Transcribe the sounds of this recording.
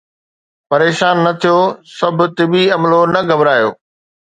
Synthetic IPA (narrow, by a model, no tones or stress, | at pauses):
pɐɾeːʃaːnːɐt̪ʰijosɐb̆ʱt̪ɪbiɐmlonɐɡɐbɾaːjo̰ː